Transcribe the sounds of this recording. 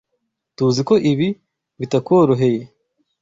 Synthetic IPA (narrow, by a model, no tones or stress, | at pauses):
tuziko̞ʔiβi | βitakoɾuɦe̞je